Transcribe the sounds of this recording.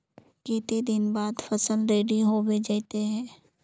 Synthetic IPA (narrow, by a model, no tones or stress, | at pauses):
kiːt̪id̪ɪnbaːd̪fəsəlɾeːɖiɦobed͡ʒaɪt̪eɦɛ̃ː